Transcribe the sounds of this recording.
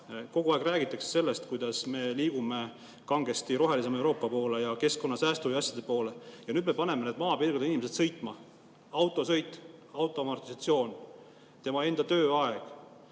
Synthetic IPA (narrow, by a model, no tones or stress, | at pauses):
ko̞ɡ̥uɑeɡ̥ræːɡ̥it̪ːˑɑkse̥se̞lːest̪kujd̪̥ɑsme̞liːɡ̥ume̞ | kɑŋɡ̥e̞st̪iɾo̞ɦelis̬emewɾo̞ːpːˑɑpo̞ːle̞jɑke̞sko̞nːɑsæːst̪uviɑsʲjɑd̪̥e̞̥po̞ːle̞jɑnyːd̪me̞pɑne̞mened̪̚mɑːpirɡud̪einimeset̪sɤjt̪ˑmɑ | ɑwt̪ˑo̞sɤ̞jt̪ːˑɑwt̪ˑo̞mɑrt̪ːˑisɑt̪sio̞ːn | t̪e̞mɑe̞nd̪ɑt̪øːɑeɡ̥